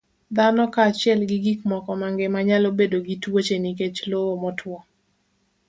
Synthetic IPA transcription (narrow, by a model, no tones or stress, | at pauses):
d̪anɔkat͡ʃɪɛlɡiɡikmɔkɔmaŋɡemaɲalobedoɡitwot͡ʃeniket͡ʃloomɔtʰwɔ